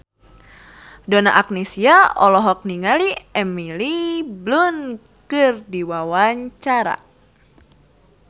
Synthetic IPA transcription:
dona̰ʔak̚nesiaɔlɔɦɔk̚niŋaliɛmiliblun | kɨrdiwawaɲt͡ʃaɾa̰

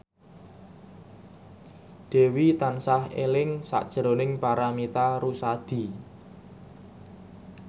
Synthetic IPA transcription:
d̪̥e̤wit̪ansahḛlɪŋsa̰ʔd̥ʒ̥ɾonɪŋpaɾamit̪aɾusad̪̥i̤

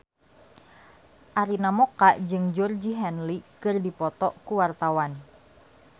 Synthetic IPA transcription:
ʔaɾinamɔkaʔd͡ʒɨŋd͡ʒɔrd͡ʒiɦɛnlikɨrdipɔt̪ɔʔkuwart̪awan

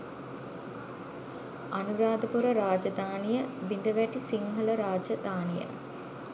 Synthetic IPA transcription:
anuɾaːd̪əpuɾəɾaːd͡ʒɐd̪aːnijəʋind̪əʋæʈisiŋɦələɾaːd͡ʒəd̪aːnijə̰

